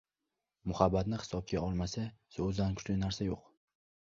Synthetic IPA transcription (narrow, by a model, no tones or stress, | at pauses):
mʊhabːat̪nɪχɪ̥sɒp̚t͡ʃʰaɒlˠmasasozankʰʊ̥t͡ʃlɪnaɾsajoq